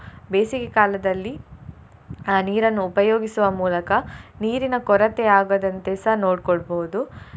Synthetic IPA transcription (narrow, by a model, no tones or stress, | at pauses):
beːsiɡekaːlɐd̪ɐlːi | aːniːɾɐnːuːpɐjoːɡisuʋɐmuːlɐkɐniːɾinɐkɔɾɐt̪eaːɡɐd̪ɐnt̪esɐnoːɖkɔɭboɦud̪u